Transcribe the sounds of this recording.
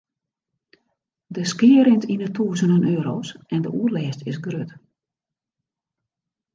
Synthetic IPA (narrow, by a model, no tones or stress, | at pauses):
dəskɪəɾɪntʰinətʰuːzənənøːɾoːsɛndəʔuərlɛːstɪsɡrøt